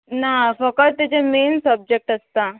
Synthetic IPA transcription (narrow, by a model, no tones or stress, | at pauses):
nafəkət̪̚t̪ːet͡semensəb̚d͡ʑek̚ʈəst̪a